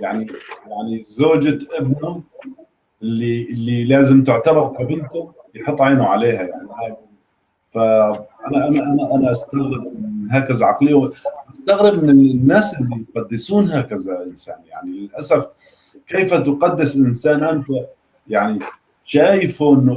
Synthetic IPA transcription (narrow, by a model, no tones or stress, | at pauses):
jaʕnijaʕnizoːd͡ʒaʔɪbnʊ | ʔɪlːiʔɪlːilaːzɪmt̪ɪʕt̪ɑbɑɾˤkabɪnt̪ʊmjħɑt̪ˤːʕeːnuʕaleːɦajaʕnihaːɡ | faʔanaʔanaʔanaʔanaʔast̪aɣɾɪbɪɦaːkazaʕɑqlɪjːawʔast̪aɣɾɪbmɪnɪnːaːsɪlːijqɑd̪ːɪsuːnɦaːkazaʔɪnsa̰ːnja̰ʕnilɪlʔasaf | keːfat̪qɑd̪ːɪsʔɪnsaːnanfa | jaʕni | ʃaːjɪfuʔɪnːʊ